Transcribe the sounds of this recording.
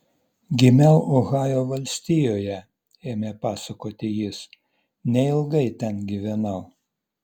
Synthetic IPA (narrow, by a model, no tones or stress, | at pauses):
ɡʲɪmʲɛʊʔoːɣɑːjoːʋɐlʲsʲt̪ʲɪjoːjɛ | eːmʲepɑːsɐkoːt̪ʲɪjɪs | nʲɛɪlˠɡɐɪt̪ʲɛnɡʲiʋʲɛnɐʊ